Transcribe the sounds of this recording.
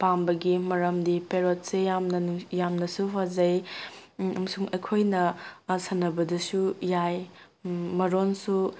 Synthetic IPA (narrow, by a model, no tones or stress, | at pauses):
pambɐɡimɐɾɐmdipeɾot̚sejamnɐnujamnɐsuɦazɐj | ɐmɐsuŋɐjkʰojnɐsɐnɐbɐdɐsujaj | mɐɾonsu